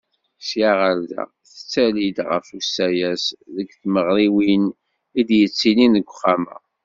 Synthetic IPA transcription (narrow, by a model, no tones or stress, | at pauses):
sjaʁəɾðæ̰ | θə̥t͡sːælid̪ʁə̰fusːæjæsðəɡθməʁɾiwin | id̪jət͡sːilinəɡʷːχːæmə̰